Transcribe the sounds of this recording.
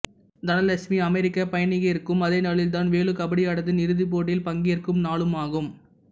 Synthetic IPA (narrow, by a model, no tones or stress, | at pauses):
d̪ɐnɐlɐsmiɐmɛɾɪkːɐpɐjɐnɪɣɐjɪɾkːɯmɐðɐɪnɐɭɪlt̪̬aːnʋeːɭɯkɐbɐɽɪjaːɽɐt̪ðɯnɪɾɯðip̬ːoːʈ̬ːɪlpɐŋɡɪjɐrkɯmnaːɭɯmaːɣɯm